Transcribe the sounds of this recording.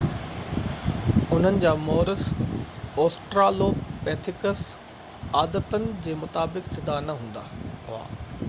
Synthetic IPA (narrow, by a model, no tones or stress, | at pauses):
ʊn̤ənɪ̆d͡ʑaːmɔːɾəs | ɔːsʈɾaːloːpɛːt̪ʰɪkəs | aːd̪ət̪ənɪ̆d͡ʑeːmʊt̪aːbɪksɪd̪ʱanɐɦũːn̆d̪a̰ːɦʊa̰ː